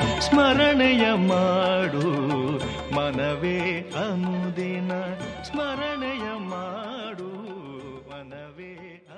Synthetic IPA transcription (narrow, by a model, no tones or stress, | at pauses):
smɐɾɐɳɛjɐmaːɽu | mɐnɐʋeɐmud̪enɐsmɐɾɐɳɛjɐmaːɽu | mɐnɐʋe